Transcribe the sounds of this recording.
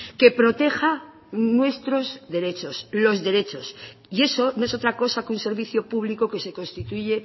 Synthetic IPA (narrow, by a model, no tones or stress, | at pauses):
ke̞pɾo̞t̪e̞xa | nwe̞st̪ɾo̞zðe̞ɾe̞t͡ʃo̞slo̞zðe̞ɾe̞t͡ʃo̞sie̞so̞noe̞so̞t̪ɾako̞sakunse̞ɾβiθjo̞puβlikoke̞se̞ko̞nst̪it̪uʝe̞